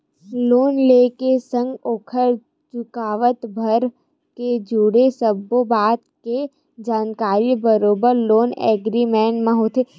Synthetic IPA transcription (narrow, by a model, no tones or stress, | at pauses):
loːnleːkesə̃ŋɡoːkʰəɾ | t͡ʃʊkaːʋət̪bʱəɾ | ked͡ʒuɽesəbːobaːt̪̚ke | d͡ʒaːnkaːɾibəɾoːbəɾloːnɛ̰ːɡɾimɛ̃ːɳʈmãɦoːt̪e